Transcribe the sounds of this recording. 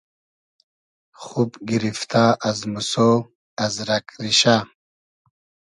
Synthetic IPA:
χupɡiɾift̪ʰaːʔɐzmuso | ɐzɾɐkɾiɕa

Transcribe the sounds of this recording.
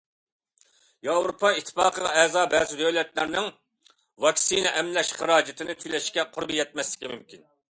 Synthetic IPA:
jɑwɾopʰɑit̪ʰːɪ̥pɑːqʰəʁɑɛzɑːbɛːzɪd̪ɛwlɛt̪læɾnɪŋ | vɑkʲsinɛʔɛmlɛʃχəɾɑːd͡ʒɪt̪ʰɪnɪt̪ʰyjlɛʃkʲɛqʰʊɾbijɛt̪̚mɛslɪ̥kʲimymkʲin

